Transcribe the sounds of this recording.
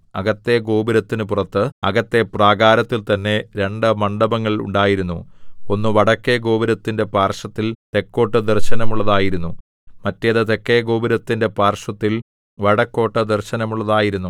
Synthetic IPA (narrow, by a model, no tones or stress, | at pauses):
ɐɣɐt̪ːe̞ɡo̞ːbiɾɐt̪ːinɨpurɐt̪ːɨɐɡɐt̪ːe̞praːɡaːɾɐt̪ːilt̪ɐnːe̞ɾe̞ɳɖɨmɐɳɖɐbɐŋːɐɭṵɳɖaːjiɾunːṵo̞nːɨʋɐɽɐkːe̞ɡo̞ːbiɾɐt̪ːinde̞paːrʂɐt̪ːilt̪e̞kːo̞ːʈːɨd̪erɕɐnɐmuɭːɐðaːjiɾunːu | mɐtːejɐðɨt̪e̞kːeɡoːbiɾɐt̪ːinde̞paːrʂɐt̪ːil | ʋɐɽɐkːo̞ːʈːɨd̪erɕɐnɐmuɭːɐðaːjiɾunːu